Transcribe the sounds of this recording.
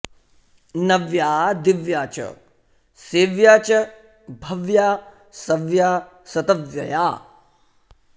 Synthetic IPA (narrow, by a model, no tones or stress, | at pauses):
nɐʋjaːd̪ɪʋjaːt͡ʃɐ̰ | seːʋjaːt͡ʃɐ | bʱɐʋjaː | sɐʋjaː | sɐt̪ɐʋjɐjaː